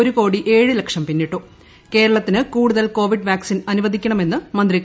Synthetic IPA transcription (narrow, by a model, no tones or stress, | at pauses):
oɾuko̞ːɽiʔe̞ːɻɨlekʂɐmpinːiʈːu | ke̞ːɾɐɭɐt̪ːinɨkuːɽuðɐlko̞ːʋiɖʋjaːksinɐnuʋɐd̪ʱikʲːɐɳɐme̞nːɨmɐnd̪ri